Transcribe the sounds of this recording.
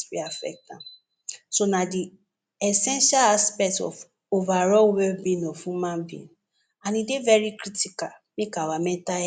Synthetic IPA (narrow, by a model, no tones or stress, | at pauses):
ḭafɛ̰k̚tãn | sonadi | ɛsɛ̃nʃalaspɛktɔ̰f | ovaɾɔwɛbĩnɔ̃fũmãbḭ̃ | anĩdevɛɾikɾitika | mĩkawamɛ̃ta